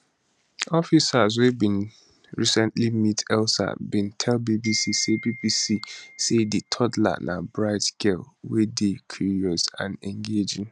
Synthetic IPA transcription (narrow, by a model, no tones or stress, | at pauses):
ɔfisazwebĩn | ɹisɛ̃ntlimitʰɛlsa̰bĩntʰɛlbibisisebibisiseditʰɔdla̰nʔa̰bɹaɪtɡ̥ɛlwedekʰjuɹiɔsã̰nɛ̃ŋɡed͡ʒɪ̃ŋ